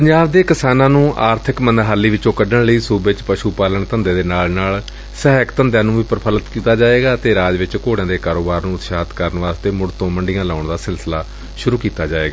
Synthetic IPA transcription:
pəɲd͡ʒaːbd̪eːkɪsaːnãːnũːʔaːɾt̪ʰɪkmənd̪ɦaːlːiːʋɪt͡ʃõːkəɖəɳləiːsuːbɪt͡ʃpəʃuːpaːləɳt̪ə̃nd̪eːd̪eːnaːlnaːl | sɛɦkt̪ənd̪jãːnũːʋiːpəɾpʰələt̪kiːt̪aːd͡ʒaːeːɡaːt̪eːɾaːd͡ʒʋɪt͡ʃkoːɽãːd̪eːkaːɾoːbaːɾnũːt̪ʃaːt̪kəɾənʋaːst̪eːmʊɽt̪õːməɳɖɪjãːlaːʊɳd̪aːsɪlsəlaː | ʃʊɾuːkiːt̪aːd͡ʒaːeːɡaː

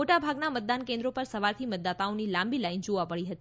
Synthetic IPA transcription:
oʈabʱaɡnamət̪̚d̪ankẽnd̪ɾopəɾsəʋaɾt̪ʰimət̪̚d̪at̪aonilãmbilaind͡ʒoʋãməɭiɦət̪i

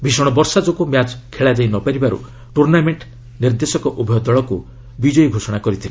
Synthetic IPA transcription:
bʱisɔɽ̃ɔbɔɾsad͡ʒokumjad͡ʒkʰeɭad͡ʒajnɔpaɾibaɾṵ | ʈuɾnameɳʈ | niɾd̪esɔkɔʔubʱijɔd̪ɔɭɔku | bid͡ʒɔjɡʱosɔɽ̃akɔɾit̪ʰile

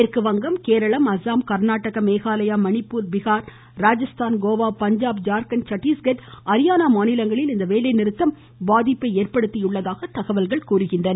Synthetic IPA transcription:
ɛɾkɯʋɐŋɡɐmkeːɾɐɭɐmɐsaːmkɐɾnaːʈːɐɣɐmeːɣaːlɐjaːmɐnɪpːuːɾbɪɣaːɾ | ɾaːd͡ʒɐst̪aːnɡoːʋaːpɐɲd͡ʒaːb̚d͡ʒaːɾkɐnt͡ʃɐʈːiːsɡɐʈɐɾɪjaːnaːmaːnɪlɐŋɡɐɭɪlɪnd̪ɐʋeːlɐɪnɪɾɯt̪ːɐm | baːðɪpːɐɪeːrpɐɽɯt̪ːɪjʊɭːɐðaːɣɐt̪ɐɣɐʋɐlɣɐɭkuːrɯɣɪndrɐnɐ

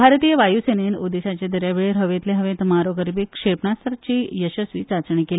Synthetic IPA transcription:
bʱaɾt̪ijəʋajusenenod̪eɕat͡ɕed̪əɾjaʋeɭeɾɦəʋẽt̪leɦəʋẽt̪maɾoɡəɾbikʂepɳast̪ʰəɾt͡ɕiːjəɕəsʋiːt͡sat͡sɳikeli

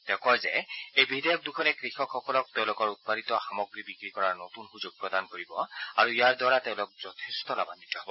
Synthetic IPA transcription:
tɛʊ̃kɔjzɛejbidɛjɔk̚dukʰɔnɛkɹixɔkxɔkɔlɔk̚teʊ̃lʊkɔɹut̚paditɔxamɔɡɹibikɹikɔɹaɹnotunxuzoɡ̚pɹɔdankoɹibɔaɹuijaɹdwaɹatɛʊ̃lʊk̚z̥ɔtʰestɔla̰banitɔɦɔbɔ

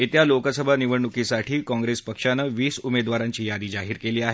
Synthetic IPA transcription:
it̪jalokəsəbʱaniʋəɳɳukisaʈʰiːkɔ̃ŋɡɾespəkʂanəʋiːsumed̪ʋaɾaɲt͡ɕiːjad̪iːd͡zaɦiːɾkeliːaɦe

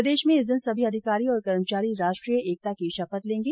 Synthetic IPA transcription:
d̪eːʃmẽɪzd̪ɪnsɐbʱiɐd̪ʱɪkaːɾiɔːɾkɐɾmət͡ʃaːɾiɾaːʃʈɾijəeːk̚t̪akiʃɐfət̪lẽːŋɡeː

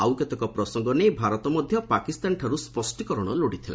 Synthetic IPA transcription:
awkɔt̪ɔkɔpɾɔsɔŋɡɔnejbʱaɾɔt̪ɔmɔd̪ʱjɔpakist̪anʈʰaɾuspɔsʈikɔɾɔɽ̃ɔ̰loɽit̪ʰila̰

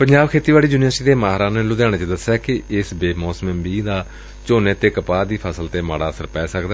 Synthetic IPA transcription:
pəɲd͡ʒaːbkʰeːt̪iːʋaːɽiːd͡ʒuːnijəːsʈiːd̪eːmaːɦɾãːnẽlʊd̪jaːɽ̃eːt͡ʃed̪əsaːkɪɪsbeːmoːsməmbiːd̪aː | t͡ʃoːneːt̪eːkəpaːd̪iːpʰəsəlt̪eːma̰ːɽaːəsəɾpɛːsəkd̪aː

